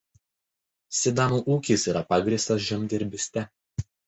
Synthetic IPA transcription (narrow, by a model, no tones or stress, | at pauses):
sʲɪd̪ɑːnuːʔuːkʲiːˑsiːɾɐpɑːɡɾʲiːˑst̪ɐs̬ʒʲɛmʲd̪ʲɛɾʲbʲɪsʲt̪ʲɛ